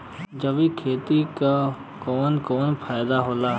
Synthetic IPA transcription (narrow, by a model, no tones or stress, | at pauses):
d͡ʒəʋikʰeːt̪ika | kɔːnkɔːnpʰaːɪd̪aɦoːla